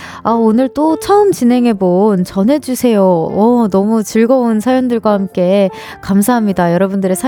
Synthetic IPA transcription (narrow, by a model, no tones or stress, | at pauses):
aonɯɭt͈ot͡ɕʰʌɯmt͡ɕinɦe̞ŋɦe̞bont͡ɕʌnɦe̞d͡ʑusʰe̞joʌnʌmut͡ɕɯɭɡʌonsʰajondɯɭɡwahamk͈e̞ | kamsʰaɦamɲidajʌɾʌbundɯɾesʰa